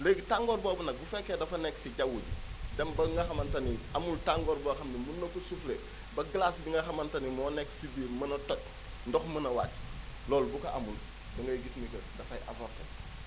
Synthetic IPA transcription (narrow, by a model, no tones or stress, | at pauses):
leɡtaŋɡɔɾbɔbɐnɐbufɛkːedɐfɐnɛksiɟawuɟudɛmbɐŋɡɐxɐmɐntɐniamultaŋɡoːɾbɔːxɐmnimunːokːosufle | bɐɡlaːsbiŋɡɐxɐmɐntɐnimɔːnɛksibiːɾmɐnɐtɔt̚ | ndɔxmɐnɐwa̰ːtlɔːlbukɐʔamul | bɐŋɡɐjɡisnikɐdɐfɐjʔɐ̰vɔɾtɐ̰